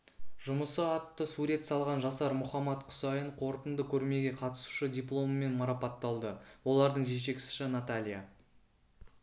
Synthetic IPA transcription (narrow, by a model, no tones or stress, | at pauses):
ʒʊməsəɑt̪ːəsuɾe̞t̪sɑlˠʁɑnʒɑsɑɾmʊχɑmɑt̪qʰʊ̥sɑjəɴqʰo̞ɾt̪ənd̪əkʲʰɵɾme̞ɡʲe̞qʰɑt̪ə̥su̥ʃədʲijplˠo̞məme̞nmɑɾɑpɑt̪ːɑlˠd̪əwo̞lˠɑɾd̪əɴʒe̞ʃ̬e̞kʲɪsɪ̥ʃɪnat̪alʲija̰